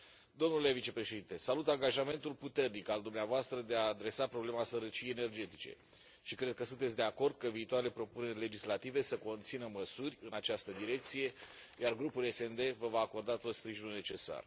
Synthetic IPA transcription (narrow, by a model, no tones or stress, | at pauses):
d̪o̞mnule̞vit͡ʃe̞pɾe̞ʃe̞d̪int̪e̞salut̪aŋɡaʒame̞nt̪ulput̪e̞rnikald̪umneavoast̪ɾəd̪e̞aːd̪ɾe̞sapɾo̞ble̞masəɾət͡ʃijejene̞rd͡ʒe̞t̪i̥t͡ʃe̞̰ | ʃikɾe̞d̪̚kəsunt̪et̪sʲd̪e̞ako̞rd̪̚kəviːt̪oaɾele̞pɾo̞pune̞rʲle̞d͡ʒislat̪ive̞səko̞nt̪sinəməsurʲɨnat͡ʃast̪əd̪iɾe̞k̚t̪sije̞ | jarɡɾupule̞send̪e̞vəvaːko̞rd̪at̪o̞t̪spɾiʒinulnet͡ʃe̞sa̰r